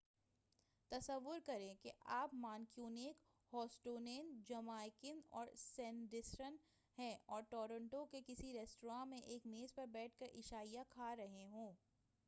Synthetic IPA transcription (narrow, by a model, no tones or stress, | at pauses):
t̪ɐsəʋːʊɾkɐɾẽkeʔaːpmaːnkjuːneːk | hɔːsʈoːneːnd͡ʒɐmaːɪkɪnɔ̰ːɾsɛ̃ːnɖɪsɾən | ɦɛ̃ːɔːɾʈɔːɾə̃ɳʈõkekɪsiɾɛːsʈoɾãːmẽʔeːkmeːzpɐɾbɛːʈ̚ʰkɐɾʔɪʃaːijakʰaːɾɐɦeɦõː